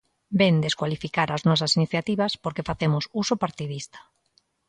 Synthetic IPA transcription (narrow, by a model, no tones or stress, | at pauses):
bend̪eskwalifikaɾaznɔs̬asiniθjat̪iβaspoɾkefaθemʊsusopaɾt̪iðist̪ḁ